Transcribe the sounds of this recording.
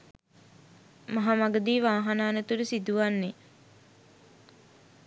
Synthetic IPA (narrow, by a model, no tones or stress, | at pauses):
maɦamaɡəd̪iːʋaːɦanaːnət̪uɾusid̪uʋanːe